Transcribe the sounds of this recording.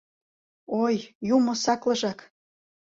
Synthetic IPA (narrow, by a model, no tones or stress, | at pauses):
ojjumŏsɑklɤ̆ʒɑk